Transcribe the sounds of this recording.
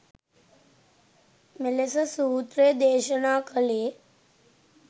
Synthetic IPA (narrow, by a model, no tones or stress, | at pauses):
melesəsuːt̪ɾeːd̪eːʃənaːkəleː